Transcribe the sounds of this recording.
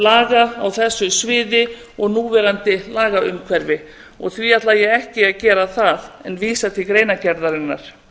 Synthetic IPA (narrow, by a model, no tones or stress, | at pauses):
laːɣaːwθɛsːʏsvɪːðɪ | ɔɣnuːvɛːɾant̪ɪlaːɣaʏmkʰvɛɾvɪ | ɔ̰ɣθviat̪lajɛɣɛhcɪaðcɛːɾaθaðɛnviːsat̪ʰɪlkɾeːjnacɛɾðaɾɪnːaɾ̥